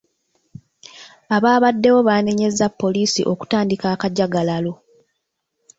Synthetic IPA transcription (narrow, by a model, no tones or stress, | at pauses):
aβaːβadːe̞wo̞βaːne̞ɲe̞zapːo̞liːsḭʔo̞ku̥taːndikaːkaɟaɡalalo̞